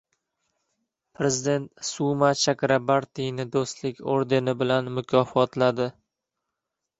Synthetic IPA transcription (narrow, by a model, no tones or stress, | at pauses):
pʰɾe̞zɪd̪e̞nt̪sumat͡ʃʰakʲɾabaɾt̪ijnɪd̪ost̪lɪkʲoɾd̪e̞nɪbɪlanmʊkʲʰɒfɒt̪lad̪ɪ